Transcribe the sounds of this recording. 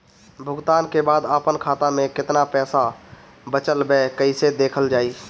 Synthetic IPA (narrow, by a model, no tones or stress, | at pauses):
bʱʊɡt̪aːnkebaːd̪aːpənkʰaːt̪amẽkɪt̪napɛːsa | bət͡ʃəlbɛkəɪsed̪eːkʰəld͡ʒaːi